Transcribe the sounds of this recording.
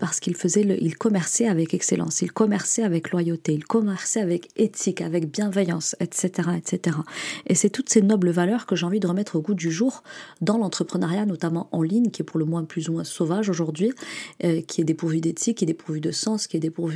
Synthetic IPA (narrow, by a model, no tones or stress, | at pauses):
paʁsə̥kilfəzɛləʔḭlkɔmɛʁsɛavɛkɛkselʔɑ̰̃silkɔmɛʁsɛavɛklwajot̪eilkɔmɛʁsɛavɛket̪ʰikavɛkbjɛ̃vɛjɑ̃sɛt̪set̪eʁaɛt̪set̪eʁaesɛt̪ut̪senɔbləvalœʁkəʒeɑ̃vid̪əʁəmɛt̪χoɡud̪yʒuʁd̪ɑ̃lɑ̃t̪χəpχənaʁjanɔt̪amɑ̃ʔɑ̃liɲkʲiɛpuʁləmwɛ̃plyzumwɛ̃sovaʒoʒuʁd̪ɥiøkʲʰiɛd̪epuʁvyd̪et̪ʰikʲːiɛd̪epuʁvyd̪əsɑ̃skʲiɛd̪epuʁvy